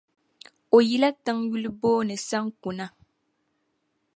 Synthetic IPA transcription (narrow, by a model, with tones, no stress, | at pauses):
o˨ji˦la˦tɨ˦ŋju˦lboː˦nɨ˨sa˦ŋ˦ku˨na˦